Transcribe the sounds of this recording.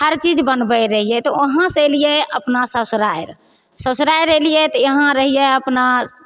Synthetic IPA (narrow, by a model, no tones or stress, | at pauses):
həɾt͡ʃid͡ʒbənbəɾəɦijɛt̪ɔoɦãselijeəpnasəsɾajɾ | səsɾajɾəlijɛt̪ɔjəɦãɾəɦijɛəpna